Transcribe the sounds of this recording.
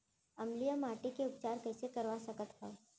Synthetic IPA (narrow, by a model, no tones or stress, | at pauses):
əmlijəmaʈekeʊp̚t͡ʃaɾkəɦsekəɾʋasəkət̪ɦa